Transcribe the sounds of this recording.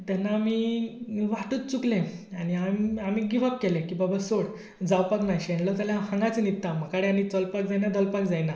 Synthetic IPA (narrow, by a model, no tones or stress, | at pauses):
t̪ɛnːaːmi | ʋaʈuːt̪̚t͡suklẽañiamamiɡiʋəkːelẽkibabasoɽ | d͡zawpaknajɕeɳlɔd͡zaljahãŋɡat͡sənit̪ːam̤akaɽeanit͡sɔlpakd͡zajnad̪ɔlpakd͡zajna